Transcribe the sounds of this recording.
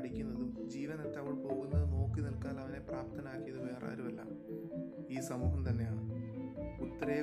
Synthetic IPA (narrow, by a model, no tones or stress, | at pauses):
ɽikʲːunːɐðumd͡ʑiːʋɐnet̪ːaʋoɭpo̞ːɣunːɐðɨno̞ːkːinɐlkaːlɐʋɐne̞praːp̚t̪ʰɐnaːkːijɐðɨʋe̞ːra̰ːɾumɐlːa̰ːm | iːsɐmuːɦɐmt̪ɐnːe̞jaːɳɨ | ut̪ːɐɾeː